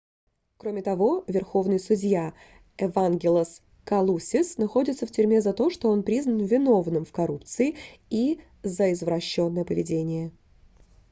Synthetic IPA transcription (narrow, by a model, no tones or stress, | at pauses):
kɾo̞mʲɪt̪ɐvo̞vʲɪrxo̞vnɨjsʊdʲja | ɛvanɡʲɪlˠəs | kɐlˠusʲɪsnɐxo̞dʲɪt̪səftʲʏɾʲmʲe̞zɐt̪o̞ʂt̪o̞o̞npɾʲiznənvʲɪno̞vnɨmfkɐɾupt̪sɨɪi | zəɪzvɾɐɕːo̞nːəjəpəvʲɪdʲenʲɪjə